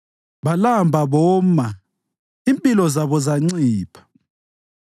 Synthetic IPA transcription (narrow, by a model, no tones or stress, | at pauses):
βalambʱaβɔːma | impʼilɔzaβɔzaŋ͡ǀiːpʰḁ